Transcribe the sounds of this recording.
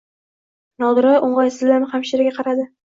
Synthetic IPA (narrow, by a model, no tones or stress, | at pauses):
nɒd̪ɪɾaʔoɴʁɑjsɪzlːaɾnɪχamʃiɾɪɡʲaqʰɑɾad̪ɪ